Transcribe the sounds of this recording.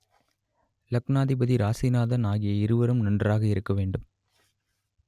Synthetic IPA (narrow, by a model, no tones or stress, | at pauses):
lɐknaːðɪbɐðiɾaːsinaːðɐnaːɣɪjɐɪɾɯʋɐɾɯmnɐndraːɣɐɪɾɯkːɐʋeːɳɖɯm